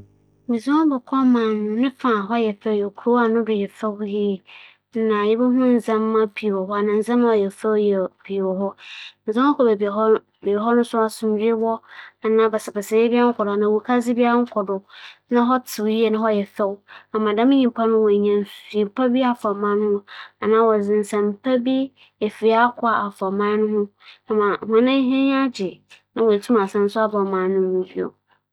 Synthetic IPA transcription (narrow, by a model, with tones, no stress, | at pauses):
mĩ˨zã˦bɛ˨kʰɔ˦mã˨nʊ̃˨nɪ̃˦fã˨ɦɔ˦jɛ˨fɛ˦wjɛ˨kʰu˨ɾo˦a˨nʊ̃˦dʊ˨jɛ˨fɛ˦wji˦ɛ˨˦ | nã˨jɪ˦bɛ˦ɦʊ̃˦n̩˨zã˦mː˦ã˦pʰi˨ɔ˨ɦɔ˦a˨nã˨n̩˨zã˦ñ˦ɔ˨jɛ˨fɛ˦wjɛ˨pʰi˨wɔ˨hɔ˦mɪ̃˨zã˦ɔ˦kʰɔ˨be˨bɔ˦ | be˨ɦɔ˦nʊ̃˦sʊ˦a˨sʊ̃˨m˨˦ɾɪ˦wɔ˦a˨nã˨bɛ˨sɪ˨bɛ˨sɛ˨jɛ˦bi˦a˦ŋ̩˦kʰɔ˨dʊ˨a˨nã˨wu˨kʰa˦d͡zɪ˦bi˦a˦ŋ̩˦kʰɔ˨dʊ˨nã˦ɦɔ˦tʰɪ˨wji˦e˨nã˦ɦɔ˦jɛ˨fɛ˦wa˨mã˨dã˦mɪ̃˦ɲĩ˨mpʰa˦nʊ̃˦wɔ˨ɲã˨n˨su˨e˨mpʰa˦bi˦a˨fɔ˨mã˦n˦hʊ̃˦a˨nãː˦wɔ˨zɪ̃˨n˨sã˨mpʰa˦bi˦ | e˨fi˨a˦kʰʊ˦a˨ʔa˨fɔ˨mã˦nʊ̃˦hʊ̃˦a˨mã˨hã˨nã˦ɦɛ̃˦ɲ˦a˦d͡ʑɪ˨nã˦wɔ˨e˨tʰu˦m˨a˨sã˨n˦sʊ˦a˦bɔ˨mã˨˦nʊ̃˦nĩ˨bi˦o̰˨